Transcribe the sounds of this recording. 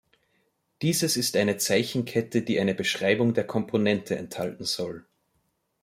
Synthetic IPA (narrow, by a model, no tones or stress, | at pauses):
d̥iːzəsɪstʔaɪnət͡saɪçn̩kʰɛtəd̥iːʔaɪnəbəʃʁ̥aɪbʊŋdeːɐkʰɔmpʰonɛntʰəɛ̰nthaltn̩z̥ɔl